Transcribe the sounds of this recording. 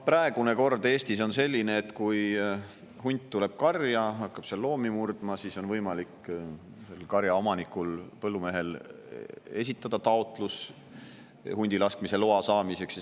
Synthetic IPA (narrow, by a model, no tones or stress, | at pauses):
pɾɑe̞ɡ̥une̞ko̞rd̪̥e̞ːst̪iso̞nse̞lʲːineːt̪kuj | ɦunʲt̪ːule̞b̥̚kɑrjɑɦɑkˑːɑb̥selːo̞ːmimurd̪̥mɑsiso̞nvɤjmɑlik | se̞lkɑɾjɑo̞mɑnikulpɤlːume̞ɦe̞l | e̞s̬ʲit̪ˑːɑd̪̥ɑt̪ɑo̞t̪ˑlus | hunʲd̪ilɑskmise̞loɑsɑːmise̞ks